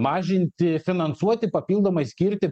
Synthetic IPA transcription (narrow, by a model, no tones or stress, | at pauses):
mɑːʒʲɪnʲt̪ʲɪfʲɪnɐnsuɔt̪ʲɪpɐpʲiːlˠd̪oːmɐɪsʲkʲiɾʲt̪ʲɪ